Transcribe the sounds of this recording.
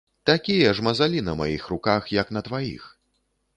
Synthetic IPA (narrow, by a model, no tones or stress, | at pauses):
t̪akʲijɐʐmɐzalʲinɐma̰jixrukaxjɐknɐt̪vajḭx